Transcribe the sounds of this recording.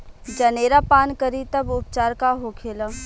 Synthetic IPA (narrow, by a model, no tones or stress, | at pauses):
d͡ʒɐneːɾapaːnkəɾit̪ɐbʊpt͡ʃaːɾkaɦoːkʰeːlaː